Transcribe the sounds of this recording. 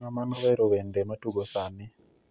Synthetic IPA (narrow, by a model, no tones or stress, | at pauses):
amanwɛɾowendematuɡosanɪ